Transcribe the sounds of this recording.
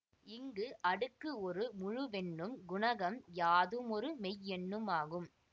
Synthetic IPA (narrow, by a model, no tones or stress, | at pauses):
ɪŋɡɯʔɐɽɯkːɯɔɾɯmʊɻʊʋɛnːɯmɡʊɳɐɣɐmjaːðɯmɔɾɯmɛjɛnːɯmaːɣɯm